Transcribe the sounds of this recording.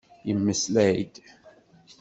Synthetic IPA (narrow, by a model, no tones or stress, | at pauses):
jəmːəslæjd̪